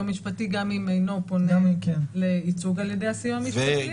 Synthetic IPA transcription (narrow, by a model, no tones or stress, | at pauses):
miʃpatiɡamimejno̞po̞nekeleit͡suɡaljedejasijoamiʃpati